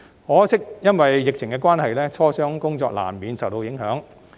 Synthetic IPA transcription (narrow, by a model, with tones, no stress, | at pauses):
hɔː˨˥sɪ˥k̚jɐ˥nwɐ˨jːɪ˨k̚t͡ʃʰɪ˨˩ŋkɛː˧kʷwaː˥nhɐ˨jlɛː˥t͡ʃʰɔː˥sœː˥ŋkʊ˥ŋt͡sɔː˧k̚la̰ː˨˩mːiː˨˧nsɐ˨wt̪o˧wjɪ˨˥ŋɦœː˨˥ŋ